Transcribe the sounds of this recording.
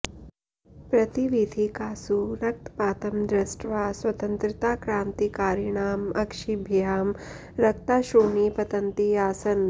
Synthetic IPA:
pɾɐt̪iʋid̪ʱikaːsuɾɐk̚t̪paːt̪ɐmd̪ɾɐsʈʋaːsʋɐt̪ɐnt̪ɾɪt̪aːkɾaːnt̪ikaːɾiɳaːmɐkʃibʱjaːm | ɾɐk̚t̪aːʃoːɳiːpɐt̪ɐnt̪iaːsɐn

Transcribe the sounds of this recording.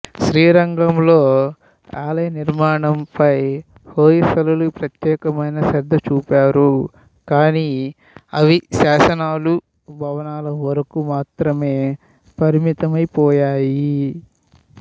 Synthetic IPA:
ʃɾiːɾɐŋɡɐmlo̞ː | aːlɐjɐniɾmaːɳɐmpɐj | hoːjisɐlɐlupɾɐt̪jɛːkɐmɐjnɐsɐɾd̪ʱːɐt͡ʃuːpaːɾu | kaːniː | ɐʋiʃaːsɐnaːlu | bʱɐʋɐnaːlɐʋɐɾɐkumaːt̪ɾɐme̞ː | pɐɾimit̪ɐmɐjpɔːjaːji

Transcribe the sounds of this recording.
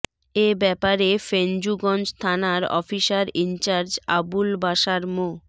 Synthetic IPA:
ebɛpaɾefend͡ʑuɡɔnd͡ʑt̪ʰanaɾɔ̰fiʃaɾint͡ɕaɾd͡ʑa̰bulbaʃaɾmo

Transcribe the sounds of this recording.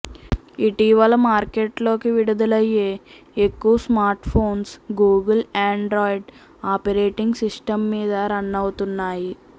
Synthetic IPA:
iʈiʋɐlɐmaːɾkeʈlo̞ːkiʋiɽud̪ɐlɐjːeː | ekːuʋɐsmaːɾʈpʰo̞ːnsɡuːɡɐlaːɳɖɾoːiɖ | aːpɐɾeːʈiŋɡsisʈɐmːiːd̪ɐɾɐnːɐwut̪unːaːji

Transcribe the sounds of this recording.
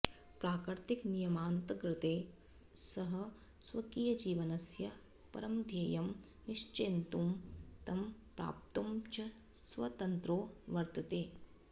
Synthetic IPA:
pɾaːkɾt̪iknijɐmaːnt̪ɐɡɾɪt̪eː | sɐɦɐ̆ | sʋɐkiːjɐd͡ʒiːʋɐnɐsjɐ | pɐ̰ɾɐmd̪ʱjeːjɐm | niʂt͡ʃeːnt̪umt̪ɐmpɾa̰ːp̚t̪ɐmt͡ʃɐ | sʋɐ̰t̪ɐnt̪ɾoːʋɐɾt̪ɐt̪eː

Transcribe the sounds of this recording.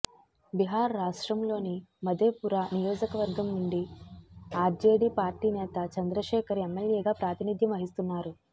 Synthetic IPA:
biɦaːɾːaːʂʈɾɐmlo̞ːnimɐd̪eːpuɾaːnijɔːd͡ʒɐkɐʋɐɾɡɐmnuɳɖi | aːɾd͡ʒe̞ːɖiːpaːɾʈiːnɛːt̪ɐt͡ʃɐnd̪ɾɐʃɛːkʰɐɾemːeljeːɡaːpɾaːt̪inid̪ʱjɐmɐɦist̪unːaːɾu

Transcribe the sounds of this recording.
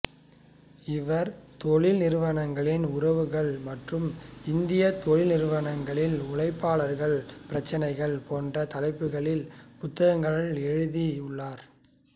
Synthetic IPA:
ɪʋɐɾt̪oɭɪlnɪɾɯʋɐɳɐŋɡɐɭɪnʊɾɐʋɯɣɐɭmɐʈrɯmɪnd̪ɪjɐt̪oɻɪlnɪɾɯʋɐɳɐŋɡɐɭɪlʊɭɐɪpːaːɭɐɾɣɐɭpɪɾɐt͡ʃːɐnɐɪɣɐɭpoːndrɐt̪ɐlɐɪpːɯɣɐɭɪlpʊt̪ːɐɣɐŋɡɐɭɐlɛɻɯðiʊɭːaːɾ

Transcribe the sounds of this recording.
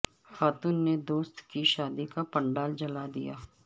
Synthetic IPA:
xaːt̪uːnːed̪oːst̪kiʃaːd̪ikapə̃ɳɖaːld͡ʒɐlad̪ḭja̰ː

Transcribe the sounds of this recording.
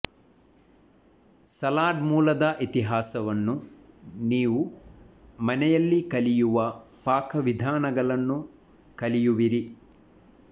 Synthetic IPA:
sɐlaːɖmuːlɐd̪ɐʔit̪iɦaːsɐʋɐnːuniːʋu | mɐnɛjɐlːikɐlijuʋɐ | paːkʰɐʋid̪ʱaːnɐɡɐɭɐnːu | kɐlijuʋiɾi

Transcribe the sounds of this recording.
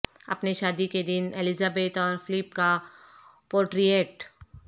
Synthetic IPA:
ɐ̰pneʃaːd̪iked̪ɪnelɪzaːbeːt̪ɔːɾfʰɪlɪpka | poːɾʈɾijeːʈ

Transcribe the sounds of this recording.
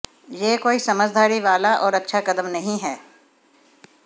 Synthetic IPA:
jeːkoːisɐməd͡ʒd̪ʱaːɾiʋaːlaʔɔːɾɐtːʃʰakɐd̪əmnɐɦĩɦɛː

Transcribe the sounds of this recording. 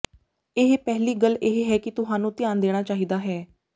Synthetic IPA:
eɦpɛːliːɡəleɦɦɛːkɪt̪ʊsaːnũːt̪ɪjaːnd̪eːɽ̃aːt͡ʃaːɦiːd̪aːɦɛː

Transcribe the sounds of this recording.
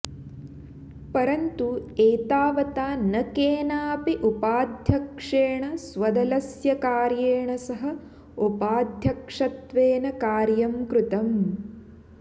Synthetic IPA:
pɐɾɐnt̪ueːt̪aːʋɐt̪aːnɐkeːnaːpiʔupaːd̪ʱjɐkʂeːɳɐsʋɐd̪ɐlɐsjɐkaːɾjeːɳɐsɐɦɐ | upaːd̪ʱjɐkʂɐt̪ʋeːnɐkaːɾjɐmkɾut̪ɐm

